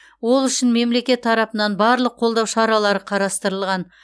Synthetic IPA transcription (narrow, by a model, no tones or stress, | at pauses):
wo̞lˠʏʃɪnme̞mle̞kʲe̞t̪ʰːɑɾɑpənɑnbɑɾlˠəqʰːo̞lˠd̪ɑwʃɑɾɑlˠɑɾəqʰɑɾɑst̪əɾəlˠʁɑn